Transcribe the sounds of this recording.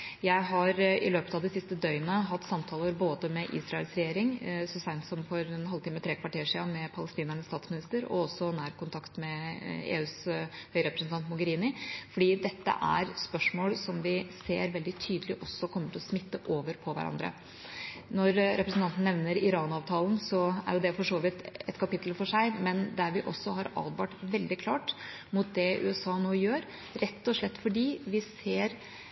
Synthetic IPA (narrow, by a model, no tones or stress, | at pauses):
jæɪɦɑɾɪ̰løːpət̪ɑd̪ɪsɪst̪əd̪œʏənəɦɑt̪ːsɑmt̪ʰɑːləɾboːd̪əmɛʔḭːsɾɑɛlsɾɛjeːɾɪŋsʊsæɪnsɔmfɔɾɛnhɑlt̪ʰiːmət̪ʰɾeːkʰʋɑʈeːʂɪːɑnmɛpʰɑləst̪iːnæɳəst̪ɑːt̪smɪnɪst̪əɾɔ̰ɔsːɔnæːɾkʊnt̪ʰɑkt̪mɛḛːʉːshœʏɾɛpɾəsn̩t̪ʰɑnt̪mʊɡəɾiːnɪfɔɖiːd̪ɛt̪ːə̰ʔæ̰ɾspœʂmoːlsɔmʋɪseːɾʋɛld̪ɪt̪ʰyːd̪əlɪʔɔsːɔkʰɔmːəʈʰɪlɔsmɪt̪ːəʔoːʋəɾpʰɔʋæ̰ɾʔɑ̰nd̪ɾə̰ | nɔɾɾɛpɾəsn̩t̪ɑnt̪n̩nɛʋnəɾɪɾɑːnɑːʋt̪ʰɑːln̩sɔæ̰ɾjʊd̪ɛfɔʂoːʋɪt̪ɛt̪kʰɑpɪt̪l̩fɔʂæɪmɛnd̪æɾʋɪʔɔsːɔɦɑɾɑ̰ːd̪ʋɑːʈʋɛld̪ɪkʰlɑːʈ | mʊt̪̚d̪ɛʔʉ̰ːɛsɑːnoːjøːɾ | ɾɛt̪ːɔʂlɛt̪ːfɔɖiːʋɪseːɾ